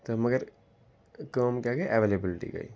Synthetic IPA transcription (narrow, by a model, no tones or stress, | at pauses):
t̪omɐɡəɾ | kəːmkjaɡɐaʔɛʋeːlebɪlʈḭɡɐ̰ḭ